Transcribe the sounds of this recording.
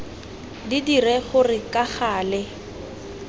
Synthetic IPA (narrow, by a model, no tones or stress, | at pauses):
didirɛχʊrɪkʼaχaːlɛ